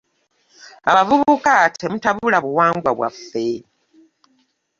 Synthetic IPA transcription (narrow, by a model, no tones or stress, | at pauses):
aβavuβukatʰemutaβulaβuwaːŋɡwaβwa̰fːe